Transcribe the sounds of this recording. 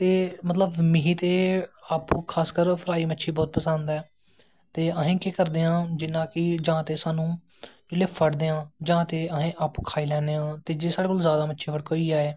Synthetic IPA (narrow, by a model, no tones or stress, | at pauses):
t̪eːmət̪ləbmɪɦiːt̪eːaːpukʰaːskəɾpʰəɾaːiːmətːʃʰiːbɔːt̪pəsə̃nd̪ɛː | t̪eːəɦẽːkeːkəɾd̪eːãːd͡ʒɪnãːkɪd͡ʒãːt̪eːsaːnũː | d͡ʒɪleːpʰəɽd̪eːãːd͡ʒãːt̪eːəɦẽːʔaːpːkʰaːiːlɛːnd̪eːãːt̪eːd͡ʒeːsaːɽeːkoːlzjaːd̪aːmətːʃʰeːpʰəɽkoːiːaːeː